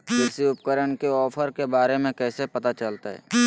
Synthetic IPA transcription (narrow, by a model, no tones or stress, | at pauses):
d͡ʒɛːsiʊpkəɾəɳkeɔːpʰəɾkebaːɾemẽkɛːsepɐt̪at͡ʃəlt̪aɦɛ̰ː